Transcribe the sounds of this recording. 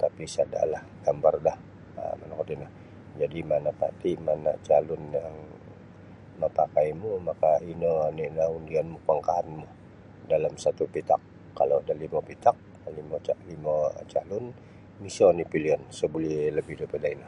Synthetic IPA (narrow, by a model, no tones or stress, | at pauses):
t̪apisada̰lah | ɡ̥ambardah | ə̰manakat̪inah | d͡ʒadimanapa̰t̪imanat͡ʃalʊnjaŋ | məpakaijmumakainɔninaundianmupaŋkaɦanmu | dalamsat̪upit̪akː | aloadalimopit̪ak̚ | limot͡ʃalimat͡ʃalʊn | misɔnipiliɔnsəbuliləbɪhdopədaina